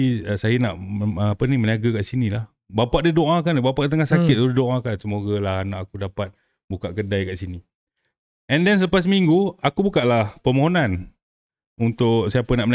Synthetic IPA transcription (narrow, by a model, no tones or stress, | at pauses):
iəsajanaʔpəniməniaɡakaʔsinilah | bapaʔdidoʔãkanbapaʔdit̪əŋahsakɪt̪̚udidoʔãkansəmoɡalahnaʔakudapat̪̚ | bukaʔkədajkaʔsini | ɛndɛnsələpas̬miŋɡuakubukaʔlahpəmoɦonan | unt̪ʊksajapənaʔmən